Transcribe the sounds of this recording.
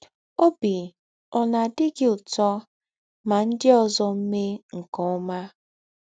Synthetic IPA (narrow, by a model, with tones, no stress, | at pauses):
o˦bi˨ | ɔ˨na˨dɪ˦ɡɪ˦ʊ˨tɔ˦ | ma˨n̩˦dɪ˦ɔ˦zɔ˦m̩˦me˦ŋ̩˨kɔ˨ɔ˦ma˦